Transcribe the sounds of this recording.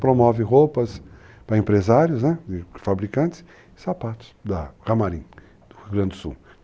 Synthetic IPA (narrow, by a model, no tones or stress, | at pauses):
pɾomɔvɪɦowpɐs | pɾɐẽpɾezaɾjʊsnɛd̪ɪfabɾikɐ̃t̪ɪs | ɪsapat̪ʊ̥sd̪ɐhamaɾĩ | d̪ʊɡɾɐ̃nd͡ʒ̪ɪʊsṵw